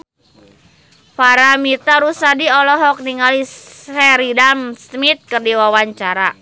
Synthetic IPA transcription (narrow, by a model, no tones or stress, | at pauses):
faɾamit̪aɾusadiɔlɔɦɔk̚niŋalisɛɾidamsmit̪̚kɨrdiwawaɲt͡ʃaɾa